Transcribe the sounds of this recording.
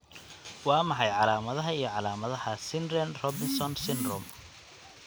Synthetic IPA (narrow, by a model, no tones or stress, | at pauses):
wɑːmɑħɑjʕɑlaːmɐðɐɦɐijɞʕɑlaːmɐðɐhɐsɪnrɛnrɔbɪnsɔnsɪnrʊ̰m